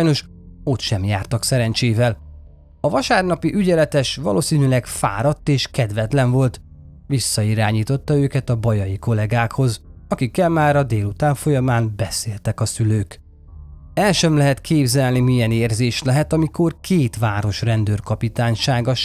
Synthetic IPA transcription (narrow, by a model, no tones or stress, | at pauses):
jno̞ʃ | o̞t̪ʃɛmjaːrt̪ɒksɛɾɛnt͡ʃeːvɛl | ɒvɒʃaːrnɒpiʔyɟɛlɛt̪ɛʃʋɒ̰lʔoːsiːnylɛɡfa̰ːɾɒt̪ːeːʃkɛd̪ʋɛt̪lɛnvo̞lt̪ | ʋisːɒiɾaːɲiːt̪o̞t̪ːɒøːkɛt̪ɒbɒjɒjiko̞lɛɡaːkho̞zɒkikːɛlmaːɾɒd̪eːlut̪aːɱfo̞jɒmaːnbɛseːlt̪ɛkɒsyløːk | ɛlʃɛmlɛɦɛt̪kʰeːbzɛlnimijɛneːrzeːʃlɛɦɛt̪ɒmiko̞rkʰeːt̪ʋaːɾo̞ʃrɛnd̪øːrkɒpit̪aːɲʃaːɡɒʃ